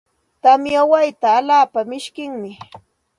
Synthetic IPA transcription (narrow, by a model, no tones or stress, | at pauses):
t̪amjawajt̪aːlaːpamɪʃkɪŋmɪ